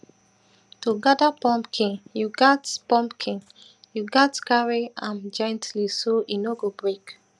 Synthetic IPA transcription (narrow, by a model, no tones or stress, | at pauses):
toɡadapɔ̃mpkʰĩnjuɡatpɔ̃mpkʰĩŋ | juɡatkaɹiãnd͡ʒɔ̃j̃ntlisoinoɡobɹek